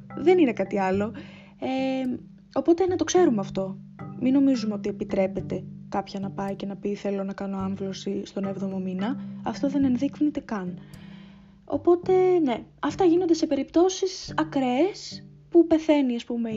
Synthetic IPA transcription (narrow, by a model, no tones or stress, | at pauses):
ðe̞nine̞kɐt̪iɐlo̞ | e | o̞po̞t̪enɐt̪o̞kse̞ɾumeɐft̪o̞ | mino̞mizumeo̞t̪ie̞pit̪ɾe̞pe̞t̪e̞kɐpçɐnɐpɐice̞nɐpiθe̞lo̞nɐkɐno̞ɐɱvlo̞sist̪o̞nevðo̞mo̞minɐɐft̪o̞ðe̞ne̞nðiknit̪e̞kɐn | o̞̰po̞t̪e̞ne̞ɐft̪ɐʝinond̪e̞se̞pe̞ɾipt̪o̞sisɐkɾes | pupe̞θe̞niɐspume